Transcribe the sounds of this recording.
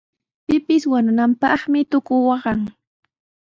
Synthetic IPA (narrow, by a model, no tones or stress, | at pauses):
pɪpɪswanʊnampɑχmɪt̪ʊkʊwɑɢɑŋ